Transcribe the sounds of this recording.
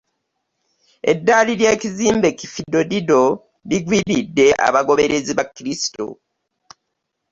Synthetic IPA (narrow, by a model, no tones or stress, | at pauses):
e̞̰dːaːliɾjeːciziːmbe̞cifido̞dido̞ | liɡwiɾidːe̞ʔa̰βaɡo̞βe̞ɾe̞ziβakːiɾisi̥to̰